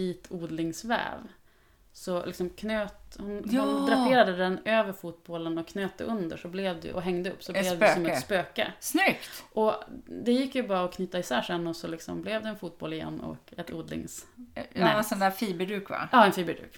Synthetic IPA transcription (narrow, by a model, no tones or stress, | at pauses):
iːt̪ʰuːd̪lɪŋsvɛ̰ːv | sɔlɪ̰ksɔmkʰnøːt̪hʊnd̪ɾapeːɾad̪əd̪ɛnøːvəɾfuːt̪̚bɔlənɔkʰnøːt̪ːə̰ʔɵnd̪ə̰ʂɔblɛvd̪ɛ̰ʔɔɦɛŋd̪əɵ̰pːsɔblɛvdɛsɔmɛt̪spøːkə̰snʏkt̪ʔɔd̪ɛjɪkːjɵbɑːɾaɔkʰnʏːt̪ːaɪsæːʂɛnːɔsɔlɪksɔmblɛvd̪ɛɛnfuːt̪̚bɔlɪjɛ̰nːɔ̰kɛt̪ṵːd̪lɪ̰ŋsɛsɔnd̪æːfiːbəɖʉːkva̰ɑːɛnfiːbəɖʉ̰ːk